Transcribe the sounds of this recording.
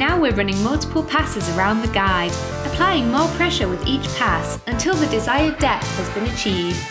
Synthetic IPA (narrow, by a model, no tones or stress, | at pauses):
naʊwɪəɹʌnɪ̃ŋmʌlˠtɪ̥pʰəlˠpʰasɪzəɹãʊ̃nðəɡaɪd | əpʰl̥aɪɪ̃ŋmɔːpʰɹ̥ɛʃəwɪðiˑt͡ʃpʰas | ə̃ntʰɪlˠðədɪzaɪədɛθhəzbɪ̃nət͡ʃʰiːvd̥